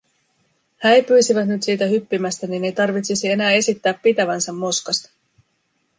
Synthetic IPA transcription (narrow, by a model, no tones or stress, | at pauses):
hæːejpyːsiʋæt̪nyt̪siːt̪æɦypːimæst̪æninejt̪ɑrʋit̪sisie̞næːe̞sit̪ːæːpːit̪æʋænsæmːo̞skɑst̪ɑ̥